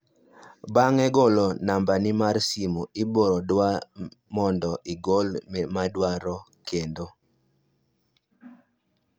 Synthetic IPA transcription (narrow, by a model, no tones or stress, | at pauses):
baŋɛɡolonambanɪmarsimuɪboɾɔdwamɔndɔʔiɡolmɛmadwaɾɔkʰendo